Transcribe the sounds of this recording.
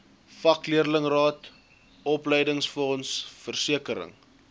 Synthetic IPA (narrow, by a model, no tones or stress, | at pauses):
fɐkliərləŋrɑːt | ɔpləjdəŋsfɔnsfərsiəkəɾə̰ŋ